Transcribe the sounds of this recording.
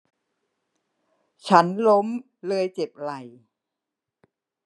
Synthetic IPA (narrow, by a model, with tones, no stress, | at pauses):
t͡ɕʰa˦˥nlo˦˥m | lɤː˧jt͡ɕe˨˩p̚la˨˩j